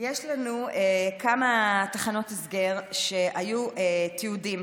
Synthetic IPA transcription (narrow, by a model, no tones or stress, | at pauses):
jeʃlanuekamatḁχano̞tisɡeʁʃe̞ʔajuʔet̪iudim